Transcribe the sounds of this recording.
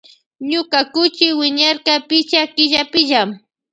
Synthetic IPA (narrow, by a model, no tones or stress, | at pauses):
ɲʊkakʊt͡ʃɪwɪɲaɾkapɪt͡ʃakɪʎapɪʒam